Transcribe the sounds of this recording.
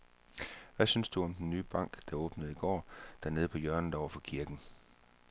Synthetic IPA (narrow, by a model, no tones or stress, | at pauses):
ʋæsynsd̥uɒ̽md̥enːyːb̥ɑ̈ŋ̰ɡ̥d̥ɑ̈ɔ̽ːb̥nəð̩ˠiɡ̥ɒ̰ːd̥æɐne̝ːð̞̩ˠpʰɒ̽jœɐnn̩d̥ɑɒ̰ʊɐfɒ̽kʰiɐɡ̥n̩